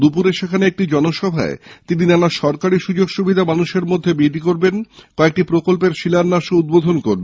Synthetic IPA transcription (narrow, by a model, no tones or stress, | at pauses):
d̪upuɾeʃekʰaneek̚ʈid͡ʑɔnoʃɔbʱa̰et̪ininanaʃɔɾkaɾiʃud͡ʑoɡʃubʱid̪ʱamanuʃeɾmod̪ʱːebid̪ik̬oɾbenkɔek̚ʈipɾokolp̬eɾʃilaɾnaʃoud̪̚bod̪ʱonkoɾbe